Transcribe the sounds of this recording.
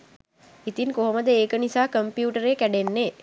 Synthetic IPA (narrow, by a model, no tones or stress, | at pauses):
it̪inkoɦɐməd̪əeːkənisaːkəmpjuːʈəɾeːkæɖenːeː